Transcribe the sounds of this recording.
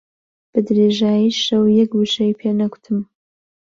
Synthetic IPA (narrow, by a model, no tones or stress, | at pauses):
b̥ɨd̪ɾeʒaːjiʃɐwjɛkwɨʃɐjpʰeːnɐkʷʊ̥t̪ʰɨm